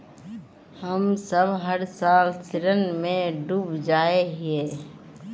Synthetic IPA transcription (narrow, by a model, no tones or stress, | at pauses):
həmsəbɦəɾsaːlsɪɾənmẽɖuːbd͡ʒaːeɦeː